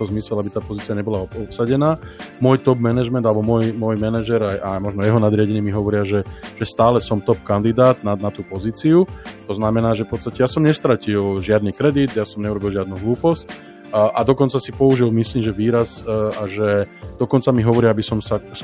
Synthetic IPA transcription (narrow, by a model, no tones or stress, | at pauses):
ɛt̪ɔzmisɛlabit̪aːpɔziːt͡siaɲɛbɔlaɔɔpsaɟɛnaːmʊɔjt̪ɔbmɛnɛʒmɛ̃nd̪alɛbɔmʊɔjmɔjmɛnaʒɛɾajʔamɔʒnɔjɛɦɔnad̪ɾɪaɟɛɲimiɦɔʋɔɾɪaʒɛʒ̥ɛst̪aːlɛsɔmt̪ɔp̚kand̪id̪aːd̪nanat̪uːpɔziːt͡siut̪ɔznamɛnaːʒɛfpɔt̪t͡st̪acɛjasɔmɲɛst̪ɾacilʒɪad̪nikɾɛd̪id̪jasɔmɲɛuɾɔbilʒɪad̪nuɦluːpɔsc̚ː | ʔad̪ɔkɔnt͡sasipɔuʒilmisliːmʒɛʋiːɾazaʒɛd̪̥ɔkɔnt͡samiɦɔʋɔɾɪaabisɔmsa